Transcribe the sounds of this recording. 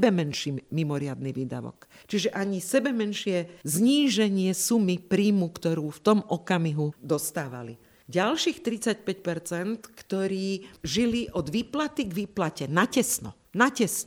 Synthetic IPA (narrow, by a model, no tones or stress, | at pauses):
bɛmɛnʃiːmimɔɾɪad̪niʋiːd̪a̰ʋɔ̰k | t͡ʃiʒɛʔaɲisɛbɛmɛnʃɪɛzɲiːʒɛɲɪɛsumipɾiːmukt̪ɔɾuːft̪ɔmʔɔkamiɦud̪ɔst̪aːʋa̰lḭ | ɟalʃiːxt̪ɾit͡sac̚pɛcpɛɾt͡sɛnt̪kt̪ɔɾiːʒiliʔɔd̪ʋiːplat̪iɡʋiːplacɛnacɛsnɔ̰ | nacɛsnɔ